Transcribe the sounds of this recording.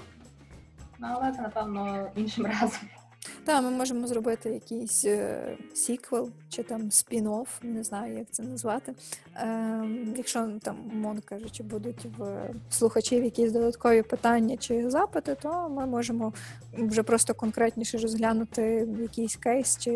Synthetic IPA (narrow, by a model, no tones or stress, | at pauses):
nʊɐlˠɛɛt̪ɛnɐpɛwnɔinʃɪmɾɑzɔm | d̪̥ɑmɪmɔʒemɔzrɔbɪt̪ɪjɐkʲijsʲ | sʲikʋɪlˠt͡ʃɪt̪ɑmsʲpʲinɔwnɛznɑjʊjɐk̚t̪sɛnɐzʋɑt̪ɪ | jɐkʃɔt̪ɑmmɔnkɑʒʊt͡ʃɪbud̪ʊtʲwslˠʊxɐt͡ʃiwjɐkʲisʲd̪ɔd̪ɐt̪kɔʋʲipɪt̪ɑnʲːɐt͡ʃɪzɑpɪt̪ɪt̪ɔmɪmɔʒemɔ | wʒɛpɾɔst̪ɔkɔnkɾɛtʲnʲiʃɛrɔzɦlʲanʊt̪ɪjɐkʲijsʲkɛjst͡ʃɪ